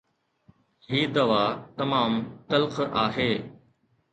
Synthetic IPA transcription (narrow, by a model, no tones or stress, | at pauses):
ɦiːd̪ɐʋaːt̪ɐmaːmt̪ɐlqʔaːɦeː